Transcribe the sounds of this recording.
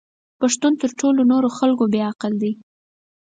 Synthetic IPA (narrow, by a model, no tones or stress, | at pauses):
paʂt̪unt̪əɾʈʰolonoɾoxalkobeaqəld̪i